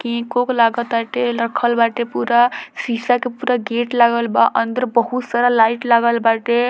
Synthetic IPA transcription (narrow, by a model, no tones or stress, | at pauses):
kĩkoklaɡət̪baʈeləkʰəlbaʈepuɾasisakepuɾaɡeʈlaɡəlbaʔənd̪əɾbəɦut̪saɾalaiʈlaɡəlbaʈe